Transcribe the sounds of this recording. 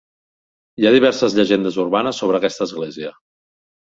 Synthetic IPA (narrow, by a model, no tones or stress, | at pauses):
iaðiβ̞ɛɾsəzʎəʒend̪əzuɾβanəsːoβɾəːkɛst̪əːzɣleziə